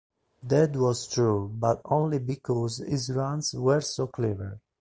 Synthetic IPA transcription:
d̪ɛdwɔz̥tʰɹubatõnlibikʰɔzizɹãnswəɹsokʰlɛvə˞

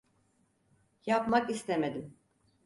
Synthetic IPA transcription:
japmakist̪emed̪im

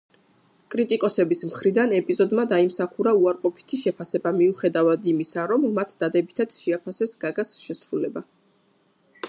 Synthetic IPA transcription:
kʼɾit̪ʼikʼɔsɛbismχɾid̪anɛpʼizɔd̪mad̪aimsaχuɾauaɾqʼɔpʰi̥t̪ʰiʃɛpʰasɛbamiuχɛd̪avad̪imisaɾɔmːat̪ʰd̪̥ad̪ɛbit̪ʰat̪sʃiapʰasɛsɡaɡasʃɛsɾulɛba

